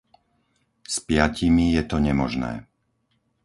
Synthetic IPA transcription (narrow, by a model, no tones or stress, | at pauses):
spɪjacimijɛt̪ɔɲɛmɔʒnɛ̰ː